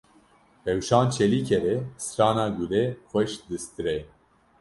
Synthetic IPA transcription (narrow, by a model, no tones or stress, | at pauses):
pɛwʃɑːnt͡ʃʰɛliːkʰɛɾɛsɨɾɑːnɑːɡulɛxʷɛʃd̪ɨst̪ɨɾɛ